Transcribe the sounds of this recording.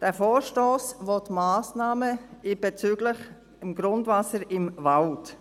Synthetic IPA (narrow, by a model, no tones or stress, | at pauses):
d̥ɛːfoːɾʃtoːsvotmaːsnaːməɪb̥ɛt͡syːɡ̥lɪχ | ɪmɡɾʊndvasəɾɪmvalt